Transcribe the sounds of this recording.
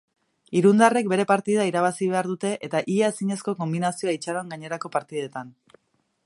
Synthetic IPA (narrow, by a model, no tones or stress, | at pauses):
iɾund̪are̞k̚be̞ɾe̞paɾt̪ið̞aiɾaβ̞asiβ̞e̞aɾðut̪e̞ʔet̪aʔiaesiɲe̞sko̞ko̞mbinasio̞ait͡ʃaɾoaŋɡaɲe̞ɾako̞paɾt̪iðe̞t̪an